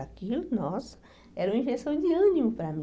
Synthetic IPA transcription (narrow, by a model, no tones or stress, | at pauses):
akilʊnɔs | ɛɾũm̃ĩʒesɐ̃w̃d̪ɪɐ̃nimʊpɾɐmĩ